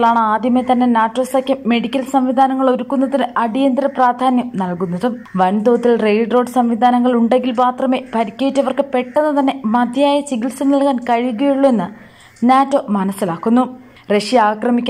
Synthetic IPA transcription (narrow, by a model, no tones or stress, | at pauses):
ɭaːɳɨaːd̪ʱjɐmet̪ɐnːe̞naːtːo̞ːsɐkʲːɨme̞ɽikʲːɐlsɐmʋid̪ʱaːnɐŋːɐɭo̞ɾukːunːɐðinɨʔɐɽijɐnd̪ɾɐpraːd̪ʱaːnjɐmnɐlkunːɐðɨʋɐnd̪oːt̪ːilrejɖro̞ːɖɨsɐmʋid̪ʱaːnɐŋːɐɭuɳɖe̞ŋɡilmaːt̪rɐme̞pʰɐɾikʲːejitːɐʋɐrkɨpe̞ʈːenːɨt̪ɐnːe̞mɐd̪ʱjaːjɐt͡ɕiɡilsumnɐlkaːnkɐɻiuɣɐjuɭːuenːɨ | naːtːo̞ːmɐnɐsːilaːkːunːu | re̞ʂiaːkrɐmikʲː